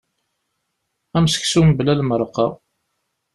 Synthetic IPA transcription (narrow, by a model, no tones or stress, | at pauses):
æmsə̥ksumblælməɾˤqːɑ